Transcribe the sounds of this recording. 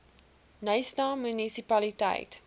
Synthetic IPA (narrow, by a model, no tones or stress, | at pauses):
nəjstɑːmynisipɐlitɐ̰jt